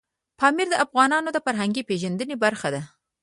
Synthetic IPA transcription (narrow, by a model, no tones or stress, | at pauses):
pɑmiɾd̪əʔafɣɑnɑnod̪əfaɾɦaŋɡipeʒand̪ənebaɾxad̪a